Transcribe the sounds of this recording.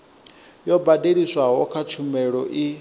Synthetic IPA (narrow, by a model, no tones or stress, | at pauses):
jɔbadeɺisʷaɦɔkʰat͡ʃʰumɛɺɔʔi